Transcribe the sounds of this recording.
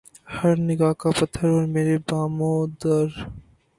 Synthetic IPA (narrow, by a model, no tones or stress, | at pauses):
hɐɾnɪɡaːkapɐt̪ʰːəɾoːɾmeːɾebaːmod̪əɾ